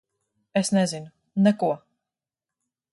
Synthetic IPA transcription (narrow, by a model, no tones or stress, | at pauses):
esnɛzinu | nɛkuɔ